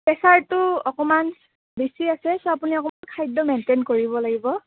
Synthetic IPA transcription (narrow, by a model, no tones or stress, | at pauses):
pɛsaɹtʊɔkɔman | bisiasɛsɔapuniɔkɔmankʰajdɔmɛntenkoɹibɔlaɡibɔ